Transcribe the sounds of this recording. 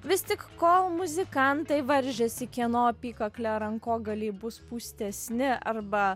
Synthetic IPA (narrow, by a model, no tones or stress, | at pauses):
ʋʲɪst̪ʲɪkkoːlˠmʊzʲɪkɐnt̪ɐɪʋɐɾʲʒʲɛsʲɪkʲiɛnoːpʲiːkɐklʲɛɾɐŋkoːɡɐlʲiːbʊspuːsʲt̪ʲɛsʲnʲɪʔɐɾbɐ